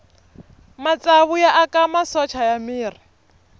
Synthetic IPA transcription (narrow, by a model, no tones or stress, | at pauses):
mat͡sʼaβujaʔakʼamasɔt͡ʃʰajamiːri